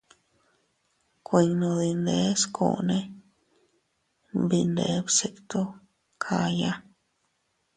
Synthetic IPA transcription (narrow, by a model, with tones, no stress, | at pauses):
kʰʷi˧ŋnõ˧d̪i˧nd̪e˧˦skʰo̰˧˨ne˦ | bi˧nd̪e˧˦bse˧kt̪o˦ | kʰa˧ja˦